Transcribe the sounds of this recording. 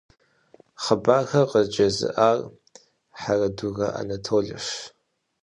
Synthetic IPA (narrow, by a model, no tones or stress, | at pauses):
χəbaːxɐqəzd͡ʒɐzɨ̰ʔaːr | ħarɐduɣɐʔa̰nɐtʰoːɮɨ̰ʃ